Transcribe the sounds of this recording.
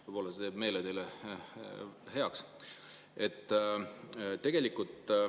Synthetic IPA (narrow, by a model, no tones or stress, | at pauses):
vjpo̞lɑset̪eːbme̞ːled̪e̞le | he̞ɑks | e̞t̪ː | t̪ːe̞ɡ̥e̞likult̪